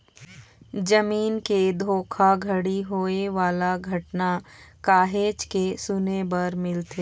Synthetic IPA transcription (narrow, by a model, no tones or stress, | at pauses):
d͡ʒəmiːnked̪ʱoːkʰaɡʱɐɽiɦoeʋaːlaɡʱɐʈnakaːɦeːt͡ʃkesʊnebɐɾmɪlt̪ʰeː